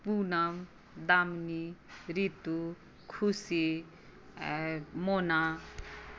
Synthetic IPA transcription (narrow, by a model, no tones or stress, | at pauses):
punam | d̪amniɾit̪u | kʰusi | mona